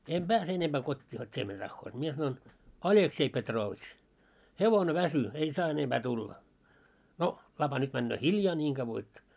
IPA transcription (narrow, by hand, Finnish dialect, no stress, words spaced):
em b̥æːse enemb̥æː kotʲːiː hotʲ tʲie mitæ tɑhːoːt mie sɑnoin ɑlʲeksei petroːʋitʃ heʋone ʋæsy en sɑː enemb̥æ tulːæɑ no lɑpɑ nyt mænːøː hiljɑː nʲiːŋ ɡ̊ɑʋːo et